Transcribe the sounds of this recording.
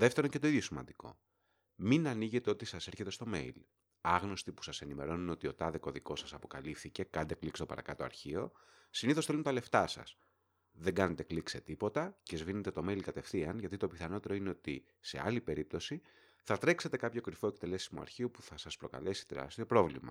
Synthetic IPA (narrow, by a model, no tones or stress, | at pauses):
ðeft̪eɾonce̞t̪o̞iðʝo̞simɐ̰nd̪iko̞̰ | minɐniʝe̞t̪e̞o̞t̪isɐse̞ɾçe̞t̪e̞st̪o̞me̞̰il | ɐɣno̞st̪ipu̥sɐse̞nime̞ɾo̞nuno̞t̪io̞t̪ɐðeko̞ðiko̞sɐsɐpo̞kɐ̰lifθice̞kɐnd̪e̞klikst̪o̞pɐ̰ɾɐ̰kɐt̪oɐ̰ɾçio̞ | siniθosθelunt̪ɐle̞ft̪ɐsɐ̰s | ðe̞ɡɐne̞t̪e̞klikse̞t̪ipo̞t̪ɐce̞zvine̞t̪et̪o̞meilkɐt̪e̞fθiɐnʝɐt̪it̪o̞piθɐno̞t̪e̞ɾo̞ine̞o̞t̪ḭ | se̞̰ɐ̰lipe̞ɾip̚t̪o̞si | θɐt̪ɾe̞kse̞t̪e̞kɐpço̞kɾifo̞e̞k̚t̪e̞le̞simoɐ̰ɾçio̞puθɐsɐspɾo̞kɐ̰le̞si̥t̪eɾɐ̰st̪iopɾo̞vlḭmɐ̰